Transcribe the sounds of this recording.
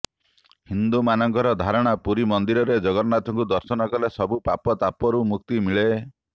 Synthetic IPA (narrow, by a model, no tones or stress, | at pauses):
hind̪umanɔŋkɔɾɔd̪ʱaɾɔɽ̃apuɾimɔnd̪iɾɔɾed͡ʒɔɡɔɾnat̪ʰɔŋkud̪ɔɾsɔnɔkɔlesɔbupapɔt̪apɔɾumuk̚t̪imiɭe